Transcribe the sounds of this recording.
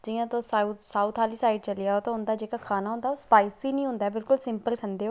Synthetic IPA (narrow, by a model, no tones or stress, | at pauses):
d͡ʒiːãːt̪oːsasaːuːt̪ʰaːliːsaːɪɖt͡ʃəlɪjaːɦot̪oʊnd̪aːd͡ʒeːkakʰaːnaɦʊ̃nd̪aːoːspaːɪsiːnĩːɦʊ̃nd̪aɦɛːbɪlkʊlsɪ̃mpəlkʰə̃nd̪eːɦoː